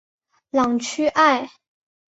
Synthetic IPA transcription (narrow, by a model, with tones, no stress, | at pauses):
lɑ˨˩ŋt͡ɕʰy˥ʔa˥˩ɪ